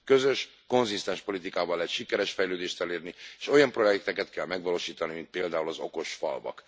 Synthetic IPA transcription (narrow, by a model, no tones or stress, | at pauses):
kø̞zø̞ʃ | ko̞nzist̪ɛnʃpo̞lit̪ikaːbɒlːɛcʃikɛɾɛʃfɛjløːd̪eːʃt̪ɛleːrnieːʃo̞jɒmpro̞jɛk̚t̪ɛkɛt̪kɛlmɛɡʋɒloːʃiːt̪ɒnimint̪̚peːld̪aːulɒzo̞ko̞ʃfɒ̰lvɒ̰k